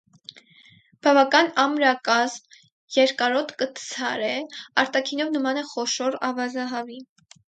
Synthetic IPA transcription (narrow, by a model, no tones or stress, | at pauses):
b̥ɑvɑkɑnɑmɾɑkɑzm | jɛɾkɑɾɔt̪ʰkət̪t͡sʰɑɾɛɑɾt̪ɑkʰinɔvnəmɑnɛχɔʃɔɾɑ̰vɑzɑɦɑvi